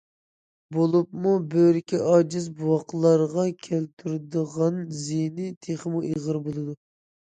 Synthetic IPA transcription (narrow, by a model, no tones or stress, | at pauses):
bolˠupmubøɾɪkʲɛʔɑd͡ʒɪzbuwɑqlˠɑɾʁɑkʲʰælt̪ʰyɾd̪əʁɑnzinɪt̪ʰeχəmuʔeʁəɾbolˠɨd̪u